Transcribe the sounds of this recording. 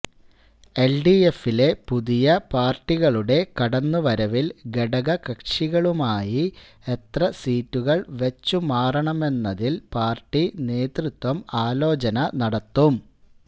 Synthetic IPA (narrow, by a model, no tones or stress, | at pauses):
e̞lɖie̞file̞puðijɐpaːrʈːiɣɐɭuɽe̞kɐɽɐnːuʋɐɾɐʋilɡe̞ɽɐɣɐkɐkʂiɣɐɭumaːji | e̞t̪rɐsiːtːuɣɐɭʋet͡ɕːumaːrɐɳɐme̞nːɐðilpaːrʈːineːt̪rut̪ʋɐmaːlo̞ːt͡ɕɐnɐnɐɽɐt̪ːum